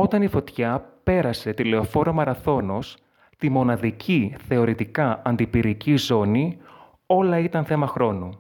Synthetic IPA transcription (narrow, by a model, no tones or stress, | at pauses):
o̞t̪ɐnifo̞t̪çɐpe̞ɾɐse̞t̪ile̞o̞fo̞ɾomɐɾɐθo̞nos | t̪imo̞nɐðicʰiθe̞o̞ɾit̪ikɐɐnd̪ipiɾicizo̞ni | o̞lɐit̪ɐnθe̞mɐxɾo̞nu